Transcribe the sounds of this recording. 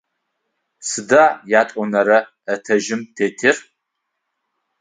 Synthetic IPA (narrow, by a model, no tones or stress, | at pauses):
sɨdajaːtʼʷɔnɐɾɐː | tʰɐʒɪmtʰeːtʰɪr